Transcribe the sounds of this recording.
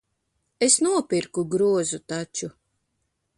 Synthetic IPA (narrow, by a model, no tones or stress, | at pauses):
esnuɔpiɾkuɡɾuɔzut̪at͡ʃu